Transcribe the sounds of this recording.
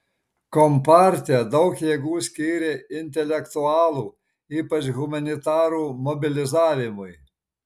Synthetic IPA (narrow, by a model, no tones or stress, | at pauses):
kɔmpɑːɾʲt̪ʲɪɛd̪ɒʊkjeːɡuːsʲkʲiːɾʲeɪnʲt̪ʲɛlʲɛkt̪ʊɑːlˠuː | iːpɐt͡ʃɣʊmɐnʲɪt̪ɑːɾuːmɔbʲɪlʲɪzɑːʋʲɪmʊɪ